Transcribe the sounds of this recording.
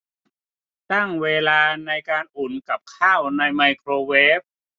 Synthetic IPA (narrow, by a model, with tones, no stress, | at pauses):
t̪a˥˩ŋweː˧laː˧na˧jkaː˧nʔu˨˩nka˨˩p̚kʰaː˥˩wna˧jma˧jkʰɾoː˧weː˦˥p̚